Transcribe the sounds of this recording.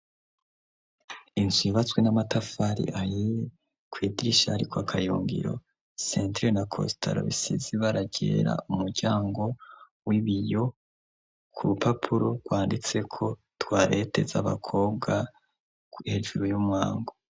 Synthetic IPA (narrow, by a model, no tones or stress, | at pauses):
inziβat͡swe̞namatafaɾḭʔaji | kwiːdiɾiʃaɾikwakʰajuːŋɡḭɾo̞̰ | seːntɾenakʰo̰sta̰ɾo̰βḭsiziβaɾaɟe̞ːɾa̰umuɾɟaːŋɡo̞ | wiβijo̞ | kʰuɾupapʰuɾoɡ̥waːndit͡se̞kʰo̞ | twaːɾete̞za̰βa̰kʰo̞ːb̚ɡa | he̞ʒuɾujumŋaːŋɡo